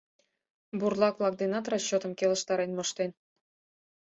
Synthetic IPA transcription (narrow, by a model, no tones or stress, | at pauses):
burlˠɑklˠɑk̚d̪enɑt̪rɑɕːot̪ə̆mkʲelˠə̆ʃt̪ɑɾenmŏʃt̪en